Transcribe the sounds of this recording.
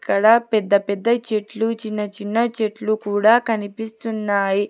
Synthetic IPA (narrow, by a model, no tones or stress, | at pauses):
kːɐɽɐpɛd̪ːɐpɛd̪ːɐt͡ʃeʈlut͡ʃinːɐt͡ʃinːɐt͡ʃeʈlukuːɽaːkɐnipist̪unːaːji